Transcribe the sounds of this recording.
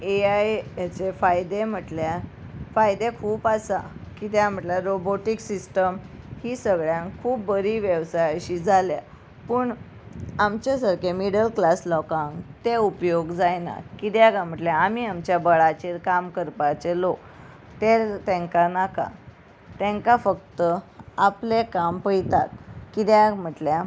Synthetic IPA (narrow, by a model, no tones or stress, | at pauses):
eajat͡sefajd̪em̤əʈlja | fajd̪ekʰuːpasakit̪jam̤əʈljaɾoboʈiksisʈəm | hiːsəɡɭjãŋkʰuːp̚ːəɾiːʋjəʋsajəɕiːd͡zʱalja̰ | pəːɳ | amt͡ɕasaɾkemiɽəlklaslɔkãŋɡt̪eupjoɡd͡zajna̰kit̪jaɡam̤əʈljaamiamt͡ɕjabəɭat͡ɕeɾkamkəɾpat͡selok | t̪et̪ẽŋkanaka̰ | t̪ɛ̃ŋkafək̚t̪əaplekampəjt̪at̪̚kit̪jam̤əʈlja